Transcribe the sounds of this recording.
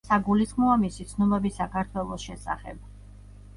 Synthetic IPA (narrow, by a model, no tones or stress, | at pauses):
saɡulisχmɔamisit̪sʰnumɛbisakʰaɾt̪ʰwɛlˠɔsʃɛsa̰χɛ̰b̥̚